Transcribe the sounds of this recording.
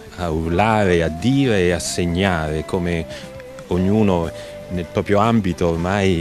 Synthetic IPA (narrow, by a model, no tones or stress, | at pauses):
aurlaːɾead̪ːiːɾeːasːeɲːaːɾekome | oɲːuːno | nelpɾɔːpɾjoambit̪oːrmaj